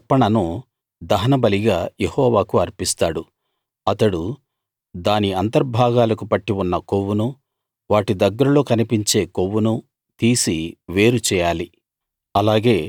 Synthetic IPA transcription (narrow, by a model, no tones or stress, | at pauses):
ɐpːɐɳɐnu | d̪ɐɦɐnɐbɐliɡaːjehɔːʋaːkuɐɾpist̪aːɽu | ɐt̪ɐɽu | d̪aːniɐnt̪ɐɾbʱaːɡaːlɐkupɐʈːiunːɐkowːunu | ʋaːʈid̪ɐɡːɐɾɐlo̞ːkɐnipiɲt͡ʃe̞ːkowːunu | t̪iːsiʋe̞ːɾut͡ʃɛːjaːli | ɐlaːɡe̞ː